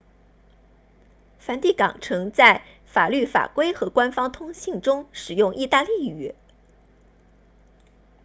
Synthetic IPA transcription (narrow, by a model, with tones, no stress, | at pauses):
fa˧˥nt̪i˥˩kɑ̰˨˩ŋʈ͡ʂʰɤ˧˥ŋt͡sa˥˩ɪ | fa̰˨˩ly˥˩fa̰˨˩kwe˥ɪxɤ˧˥kwa˥nfɑ˥ŋt̪ʰʊ˥ŋɕi˥˩ŋʈ͡ʂʊ˥ŋʂɻ̩˨˩jʊ˥˧ŋʔi˥˧t̪a˥˧li˥˩˧